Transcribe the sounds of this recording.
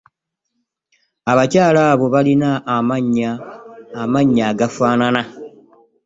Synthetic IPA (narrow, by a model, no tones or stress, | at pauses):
aβacaːlaːβo̞βalinamaɲaː | maɲːaːɡafaːnana